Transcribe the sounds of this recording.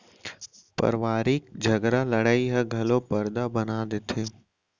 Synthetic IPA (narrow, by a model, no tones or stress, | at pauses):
pɐ̰ɾʋaːɾiːk̚d͡ʒʱɐɡɾalɐɽaːiɦɐɡʱɐlopɐɾd̪abɐnaːd̪et̪ʰeː